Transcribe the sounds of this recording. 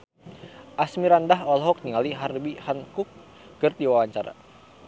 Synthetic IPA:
ʔasmiɾandaɦɔlɦɔk̚niŋaliɦarbihankʊk̚ː | ərdiwawaɲt͡ʃaɾa̰

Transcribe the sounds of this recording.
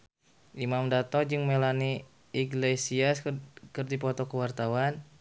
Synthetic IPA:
ʔimamdat̪ɔd͡ʒɨŋmelani | iɡlesiaskərdipɔt̪ɔkəwart̪awan

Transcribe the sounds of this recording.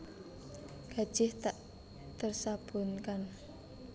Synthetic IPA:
ɡ̥a̤̥ʒ̥ɪht̪aʔ | t̪ərsab̥ṳnkan

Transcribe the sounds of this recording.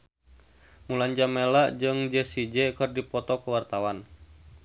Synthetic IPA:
muland͡ʒamelaʔd͡ʒɨŋd͡ʒɛsid͡ʒɛkɨrdipɔt̪ɔkəwart̪awan

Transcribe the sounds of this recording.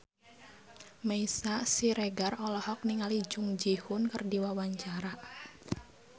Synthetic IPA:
meisasiɾeɡarɔlɔhɔk̚niŋalid͡ʒʊŋd͡ʒihʊnkərdiwawaɲt͡ʃaɾa

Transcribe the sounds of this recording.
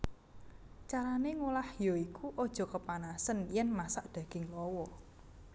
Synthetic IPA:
t͡ʃaɾaneŋulahjɔikuʔod̥ʒ̥ɔ̤kəpanasənjɛnmasaʔd̪̥ä̤ɡ̥ɪŋlɔwɔ

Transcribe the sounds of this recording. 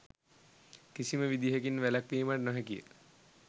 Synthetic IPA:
kisiməʋid̪iɦekinʋælakʋiːmaʈnɔɦɛkijə̰

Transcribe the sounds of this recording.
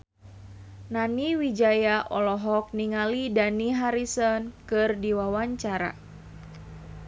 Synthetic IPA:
naniwid͡ʒajaʔɔlɔɦɔk̚niŋalidaniɦaɾisɔnkɨrdiwawaɲt͡ʃaɾa̰

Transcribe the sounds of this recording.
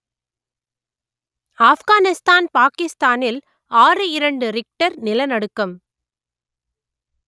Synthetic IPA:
aːfɣaːnɪst̪aːnpaːkɪst̪aːnɪl | aːrɯɪɾɐɳɖɯɾɪk̚ʈɐɾnɪlɐnɐɽɯkːɐm

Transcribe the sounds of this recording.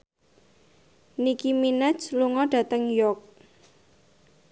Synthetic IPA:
nikiminɛt͡ʃluŋɔɖ̥ä̤t̪əŋjɔk̚

